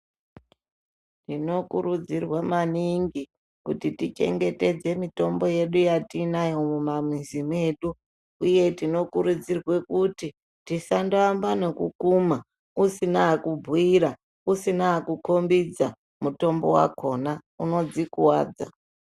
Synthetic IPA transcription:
ntino̞kuɾud͡zirwamaniŋɡi | kutitit͡ʃe̞̰ŋɡe̞te̞d͡ze̞mito̞mbo̞je̞ɗujatinajo̞mumamizime̞ːɗu | uje̞tino̞kuɾud͡zirwe̞kuti | tisandoambanekukuma | usinaːkubʱwiɾa | usinaːkuko̞mbid͡za | muto̞mbo̞wa̰ko̞nauno̞d͡zikuwaːd͡za̰

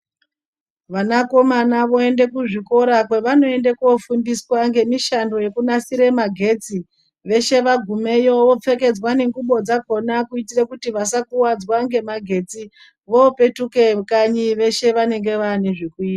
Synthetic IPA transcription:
ʋanako̞manaʋo̞e̞nde̞kuʐiko̞ɾak̬weʋano̞e̞ndekofundiswaŋɡe̞miʃando̞je̞kunasiɾe̞maɡʱe̞ːt͡si | ʋe̞ʃe̞ʋaɡʱume̞joʋo̞p͡fe̞ke̞d͡zwane̞ŋɡuɓo̞d͡zaɡʱo̞nakuitirekutiʋasakuwad͡zwaŋɡe̞maɡʱe̞t͡si | ʋo̞pe̞tuke̞kaɲiʋe̞ʃe̞ʋane̞ŋɡe̞ʋaːneʐikuiːtaa

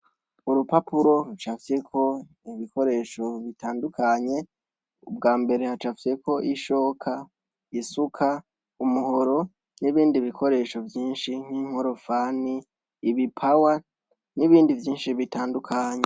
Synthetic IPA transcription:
uɾupapuɾo̞ɾut͡ʃafjekʰo̞ | iβiko̞ɾe̞ːʃo̞βitaːndukʰaɲe̞ | ubɡaːmbe̞ɾe̞hat͡ʃafje̞ko̞ʔiʃo̞ːkʰa | isukʰa | umuɦo̞ɾo̞ | niβiːndiβikʰo̞ɾe̞ːʃo̞vjiːnʃiŋ̥hiŋ̥hoɾo̞faniː | βipʰawa | niβiːndivjiːnʃiβitaːndukʰaɲe

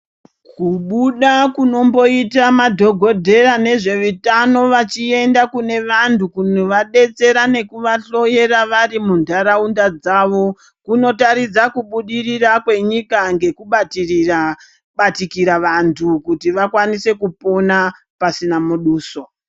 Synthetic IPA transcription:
kuɓuɗakuno̞mbo̞itamadʱo̞ɡʱo̞dʱe̞rane̞ʐe̞ʋitano̞ʋat͡ʃie̞ndakune̞ʋantʰukunoʋaɗe̞t͡se̞ɾane̞kuʋaɬo̞je̞ɾaʋarimundʱaɾaundad͡zaːʋo̞ | kuno̞taɾid͡zakuɓuɗirirakwe̞ɲikaŋɡe̞kuɓatirira | ɓatikiɾaʋantʰukutiʋakwanise̞kupo̞na | pasinamuɗuːso

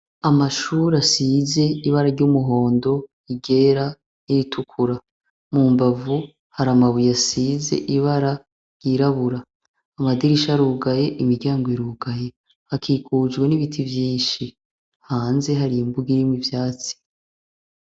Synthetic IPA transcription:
amaʃuːɾasiːze̞iβaɾaɾɟumuɦo̞ːndo̞ | iɡe̞ːɾa | iitʰukʰuɾa | muːmbavu | haɾamaβujasiːzḛʔiβaɾa | ɾjɟ̥iɾaβuɾaː | madiɾiʃaɾuɡaje̞ʔimiɾɟaːŋɡoiɾuːɡaje̞ | hakʰiːkʰuːd͡ʒɡwe̞niβitʰivjiːnʃi | haːnze̞ɦaɾiimbuɡiɾimwivjaːt͡si̥

